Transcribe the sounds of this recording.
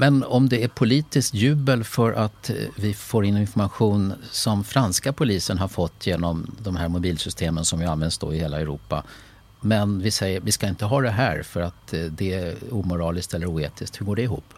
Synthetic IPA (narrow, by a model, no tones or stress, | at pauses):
mɛnɔmd̪ɛæɾpʰʊliːt̪ɪskt̪jʉ̟ːbəlfœɾʔat̪vɪfoːɾɪnːɪnfɔɾmaɧuːnsɔmfɾanskapʰʊliːsənɦaɾfɔt̪ʰːjeːnɔmd̪ɔmɦæːɾmʊbiːlsʏst̪ʰeːmənsɔmjɪanvɛnd̪sd̪o̰ɪheːlaɛɾṵːpa̰ | mɛnvɪsɛjːəɾvɪskaɪnt̪əɦɑːd̪ɛɦæ̰ːɾfœɾat̪d̪ɛæuːmʊɾɑːlɪsk̚t̪ɛlːəɾuːeːt̪ʰɪskt̪hɵɡoːɖɛɪɦṵːpː